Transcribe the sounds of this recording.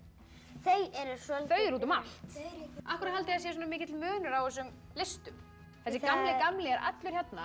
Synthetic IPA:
θejɛɾɪɾ̥sœlθœɥðɪɾuːt̪ʏmal̥t̪ahkʏɾat̪halt̪ɪasjɛsuːnamɪːcɪt̪ɪlmœːnʏɾawɪsʏm | lɪst̪ʏm | θɛsːɪkamlɪkamlɪɛɾʔa̰t̪lʏɾ̥çɛt̪na

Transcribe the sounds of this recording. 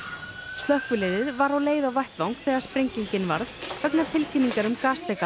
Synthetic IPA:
st̪lœhkvʏlɪːðɪðvaɾawleːjðawvajht̪vawŋkθɛːɣaɾ̥spɾeɲciɲcɪnvaɾðfœknḁt̪ʰɪlcʰɪniŋkaɾʏmkaːst̪lɛːka

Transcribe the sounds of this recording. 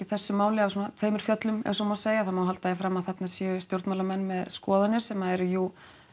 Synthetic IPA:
iθɛsːʏmaːwlɪavsunat̪ʰveːjmʏɾ̥fjœt̪lʏmɛ̰ns̬ɔmawseːjaθamawɦalt̪aɛfɾamaðθɛt̪nasjɛʏst̪jowɾt̪nmawlamɛnːmɛðskɔːðanːɪɾsɛmaɛɾʏjuː

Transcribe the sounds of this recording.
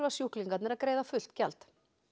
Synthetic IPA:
vasjuhkliŋkat̪nɛɾaðkɾeːjðafʏl̥t̪calt̪

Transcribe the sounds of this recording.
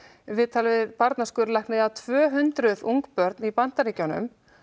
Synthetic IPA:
vɪðt̪ʰaːlvɪðpaɾt̪naskʏɾlajknɪðat̪ʰvœːɦʏnt̪ɾʏðuŋkpœɾt̪nipan̥t̪aɾiːcawnʏ̰m

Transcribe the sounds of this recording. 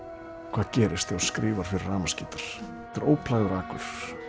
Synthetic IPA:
kʰvaːðcɛːɾɪst̪ɛaɾskɾiːvaɾ̥fɪɾɪraːmasciːt̪aɾ̥ | ɛ̥t̪aɾoːwpʰlaːjðʏɾaːkʏɾ̥

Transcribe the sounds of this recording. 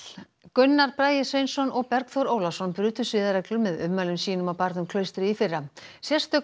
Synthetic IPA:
kʏnːaɾpɾaːjɪsejnsɔnɔɣpɛɾkθɔɾoːwlasɔnpɾʏːt̪ʏ̥sɪːðaɾɛklʏmɛðʏmːalʏmsiːnʏmawpaɾt̪nʏmkʰlœːɥst̪ɾɪifɪrːasjɛ̥st̪ʏ

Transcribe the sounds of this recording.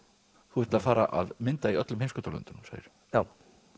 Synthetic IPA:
θuhɛht̪ɪlafaːɾaʔaðmɪnt̪aiœt̪lʏmhejmskʏt̪ɔlœ̰nt̪ʏnmsa̰ːjɪ̰ɾ̥ | jaːw

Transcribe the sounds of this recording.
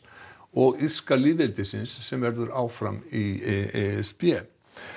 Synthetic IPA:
ɔɣi̥skaliðɛlt̪ɪsɪnsːɛmvɛɾðʏɾaːwfɾa̰mi | spjɛː

